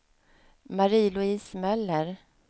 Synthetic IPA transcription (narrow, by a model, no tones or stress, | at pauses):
maɾiːlʊiːsmœlːəɾ